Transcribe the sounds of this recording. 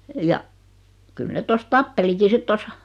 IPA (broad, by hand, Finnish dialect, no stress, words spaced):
jɑ kyl net tos tɑpːeliki sit tos